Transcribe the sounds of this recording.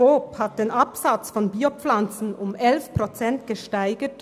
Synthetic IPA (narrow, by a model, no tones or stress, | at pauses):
oːphat̚d̥eːnʔɑpsat͡sfɔnbiːop͡flant͡sn̩ʊmɛlfpʁ̥ot͡sɛntɡ̥əʃtaɪɡət